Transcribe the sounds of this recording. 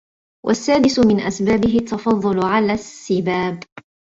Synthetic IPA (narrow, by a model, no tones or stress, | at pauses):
wʔa̰sːaːd̪ɪsʊmɪnʔasbaːbɪɦɪt̪ʰːɑfɑðˤːʊlʊʕalaːsːɪbaːb